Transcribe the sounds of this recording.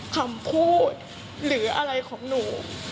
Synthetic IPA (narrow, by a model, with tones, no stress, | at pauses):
kʰa˧mpʰuː˥˩t̪̚ | ɾɯː˩˦ʔa̰˧ɾa˧jkʰɔː˩˦ŋnuː˩˦